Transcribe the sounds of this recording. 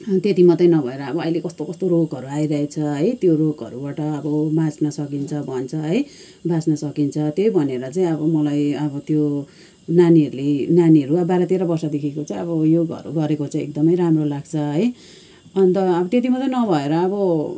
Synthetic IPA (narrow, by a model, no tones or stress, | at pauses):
t̪et̪imʌt̪ʌjnʌbʱʌeɾʌːbʌʌilekʌst̪okʌst̪oɾokʌɾuajɾʌɦet͡sʰʌɦʌjt̪jorokʌ̰ɾubaʈʌːbʌmat͡snʌsʌkint͡sʰʌbʱʌnt͡sʰʌɦʌj | basnʌsʌkint͡sʰʌt̪jejbʱʌneɾʌt͡saĩʌbʌmʌlajʌbʌt̪jo | naniʌɾulenaniʌɾuʌbaɾat̪eɾabʌrsʌd̪ekʰekot͡saĩʌbʌjoɡʌ̰ɾṵɡʌɾekot͡saĩek̚d̪ʌmʌjɾamrolaɡ̚t͡sʰʌɦʌj | ʌnt̪ʌːbʌt̪et̪̬imʌt̪ʌjnʌbʱʌeɾʌːbʌ